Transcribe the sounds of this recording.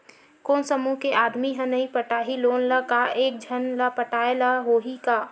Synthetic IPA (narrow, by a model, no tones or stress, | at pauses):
koːnsəmukeʔaːd̪miɦə̃nɐɦĩpəʈaːɦiloːnləkaeːk̚d͡ʒʱənlapəʈaːelaɦoːɦikaː